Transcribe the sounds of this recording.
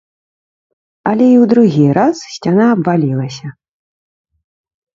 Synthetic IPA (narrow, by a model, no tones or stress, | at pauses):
ɐlʲɛiwd̪ɾuɣʲiɾassʲt͡sʲanaːbvalʲilˠɐsʲɐ